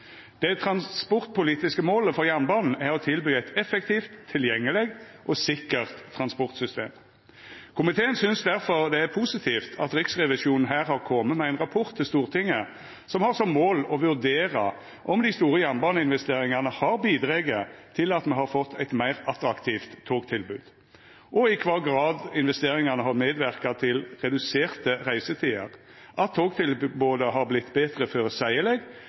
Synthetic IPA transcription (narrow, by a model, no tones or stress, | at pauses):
d̪̥ɛt̪ʰɾɑnspɔʁt̪̚pʊliːt̪ɪskəmoːləfɔʁjænbɑːnn̩æʁɔt̪ʰɪlbyːæɪt̪ɛfɛk̚t̪ʰiːft̪ʰːɪljɛŋːəlɛɡ | ʔɔsɪkːəʁt̪ʰːʁɑnspɔʁt̪sʏst̪ḛːm | kʰʊmɪt̪ʰeːənsʏnsd̪æʁfɔʁd̪ɛæʁpʰuːsɪt̪ʰiːft̪ʰɑ̰t̪ɾɪksʁɛʋɪʃuːnn̩ɦæːʁhɑʁkʰɔmːəmɛæɪnʁɑpʰɔʁt̪ʰːɪlst̪uːʁt̪ʰɪŋːə | sɔmhɑʁsɔmmːoːlɔʋʉʁd̪eːʁɑ̰ | ʔɔmd̪ɪst̪uːɾəjɛnbɑːnəɪnʋɛst̪eːɾɪŋɑnəhɑɾbiːd̪ɾeːɡət̪ʰɪlɑt̪mɛhɑɾfɔt̪ʰːæɪt̪mæɪʁɑt̪ɾɑkt̪ʰiːft̪ʰːoːɡt̪ʰɪlbʉːd̪̥ | ʔɔɪkʰʋɑːɡʁɑːd̪ɪnʋɛst̪eːɾɪŋɑnəhɑmeːd̪ʋæʁkɑt̪ʰɪlʁɛd̪ʉseːʁt̪əʁæɪsət̪ʰiːə̰ʁ | ʔɑt̪ʰːoːɡt̪ʰɪlboːd̪əɦɑɾblɪt̪ːbeːt̪ʁəføːɾəsæɪəlɛɡ